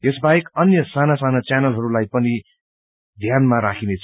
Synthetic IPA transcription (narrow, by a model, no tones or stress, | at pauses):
esbajekʌnjʌsanasanat͡sanʌlɦʌɾulajpʌni | d̪ʱjanmaɾakʰinet͡sʰ